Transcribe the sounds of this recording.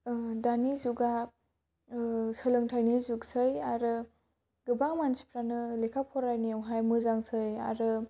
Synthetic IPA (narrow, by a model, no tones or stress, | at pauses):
danizuɡa | sɯlɯŋtʰajnizuk̚sɯjaɾɯ | ɡɯbaŋmansʰi̥pʰɾanɯlekʰapʰɔɾajniawɦajmɯzaŋsʰɯja̰ɾɯ